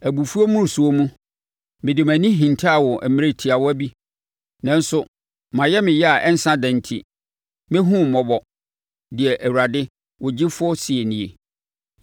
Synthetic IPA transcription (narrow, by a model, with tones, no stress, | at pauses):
æ˨bu˨fu˦o˦mũ˦˨su˨o˦mũ˦ | mɪ̃˨dɪ˨mæ̃˨nĩ˦ɦĩ˨ntʰa˦a˨wɔ˨ʔæ˨mɪ̃˦ɾe˨tʰi˨a˨wɔ˦æ˦bi˦ | nã˦n˦sʊ˦ | mã˨jɛ˦mɪ̃˨jɛ˦a˨ʔɛ˦n̩˦sã˦dɛ̃˨n˨tʰḭ˨ | mɪ̃˦ɦũ˦m̩˨mɔ˨bɔ˨ | dɪ˨ɛ˨ʔæ˨wu˨ɾa˨dɪ˦ | wɔ˨d͡ʑɪ˦fʊ˦ɔ˦si˨e˨nĩ˨ḛ˨